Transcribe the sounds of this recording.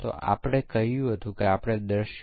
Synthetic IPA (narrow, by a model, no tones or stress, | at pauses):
t̪o̰a̰pɽ̃ekəɦjũɦət̪ũkeapɽ̃ed̪əɾʃ